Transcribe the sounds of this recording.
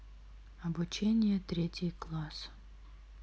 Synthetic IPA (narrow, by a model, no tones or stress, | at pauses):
ɐbʊt͡ɕenʲɪjət̪ɾʲetʲɪjklˠas